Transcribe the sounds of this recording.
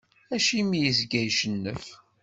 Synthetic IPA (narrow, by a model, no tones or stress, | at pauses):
æʃimijəzɡæjʃənːəf